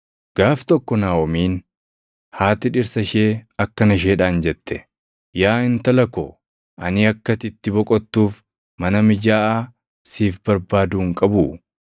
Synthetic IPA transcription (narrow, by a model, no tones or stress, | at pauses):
ɡ̥aːft̪ɔkːɔnaːwɔmiːn | haːt̪ɪᶑɪɾsɐʃeːɐkːɐnɐʃ̬eːᶑaːnd͡ʒɛt̪ːɛ̥ | jaːɪnt̪ɐlɐkɔ | ʔɐnɪɐkːɐt̪ɪt̪ːɪbɔkʼɔt̪ːuːf | mɐnɐmɪd͡ʒaːʔaː | siːfbɐɾbaːd̪uːŋkʼɐbʊ